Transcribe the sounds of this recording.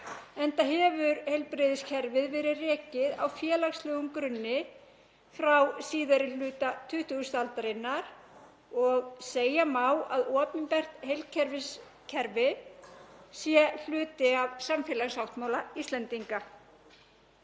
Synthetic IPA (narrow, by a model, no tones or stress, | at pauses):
ɛnt̪aɦɛvʏɾhejlpɾɪːðɪscʰɛɾvɪðvɛːɾɪrɛːcɪða̰wfjɛːlaxslœːɣʏmkɾʏnːɪ | fɾawsiːðaɾɪlʏːt̪at̪ʰʏht̪uɣʏst̪alt̪aɾɪnːaɾ | ɔɣseːjamaːwaðɔːp̪ɪmpɛr̥t̪hejlcʰɛɾvɪs | cʰɛɾvɪ | sjɛl̥ʏːt̪ɪavsamfjɛːlaɣsawht̪mawlaist̪lɛnt̪iŋka